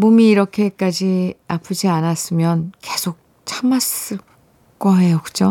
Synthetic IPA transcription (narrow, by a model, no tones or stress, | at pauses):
mumiːɾʌkʰe̞k͈ad͡ʑiapʰɯd͡ʑianas͈ɯmjʌnke̞sʰok̚ | t͡ɕʰamas͈ɯ | ɡ͈oɦe̞jokɯd͡ʑo